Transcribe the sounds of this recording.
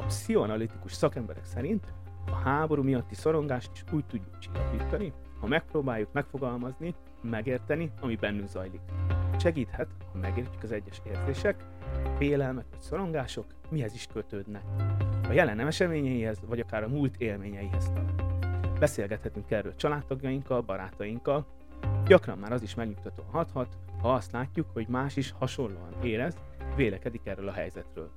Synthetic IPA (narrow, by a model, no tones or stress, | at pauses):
sionɒlit̪i̥kuʃsɒkɛmbɛ̰ɾɛ̰ksɛɾint̪ | ɒhaːbo̞ɾuːmijɒt̪ːiso̞ɾo̞ŋɡaːʃt̪i̥ʃuːc̚t̪uɟːukt͡ʃi̥lɒ̰kiːt̪ɒni | hɒmɛk̚proːbaːjːukmɛkfo̞ɡɒlmɒzni | mɛɡeːrt̪ɛniɒmibɛnːyŋɡzɒjlikʃɛɡiːt̪hɛt̪hɒmɛɡeːrcykɒzɛɟːɛʃeːrzeːʃɛk | feːlɛlmɛkʋɒcso̞ɾo̞ŋɡaːʃo̞k | miɦɛziʃkøt̪øːd̪nɛkɒjɛlɛnɛmɛʃɛmeːɲɛjihɛzvɒɟɒkaːɾɒmult̪ʰeːlmeːɲɛjiɦɛzt̪ɒ̰lt̪bɛseːlɡɛt̪hɛt̪yŋkɛrːø̰ːlt͡ʃɒlaːt̪ːɒɡjɒjiŋkɒlbɒɾaːt̪ɒjiŋkːɒl | ɟɒkrɒmːaːɾɒziʃmɛɡɲukt̪ɒt̪o̰ːɒnɦɒt̪hɒt̪ | hɒɒst̪laːcːukho̞ɟmaːʃiʃhɒʃo̞nlo̰ːɒneːɾɛz | veːlɛkɛd̪ikɛrøːlɒɦɛ̰jzɛt̪rø̰ːl